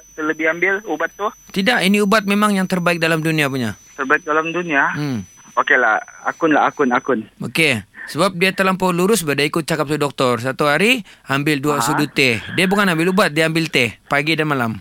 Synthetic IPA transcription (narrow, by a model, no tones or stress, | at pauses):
t̪ələbɪhambɪlubat̪ːʊht̪idaʔiniubat̪̚memaŋjaŋt̪ərbaɪk̚dalamduniapuɲat̪ərbaɪk̚dalamdunia | okela̰ha̰kʊnla̰a̰kʊnakʊnokesəbap̚diat̪əlampɔluɾʊsbadaikʊt̪̚t͡ʃakap̚sudɔk̚t̪ɔrs̬at̪uɦaɾiambɪlduasudut̪ediabukanambɪlubat̪̚diaambɪlt̪epaɡidanmalam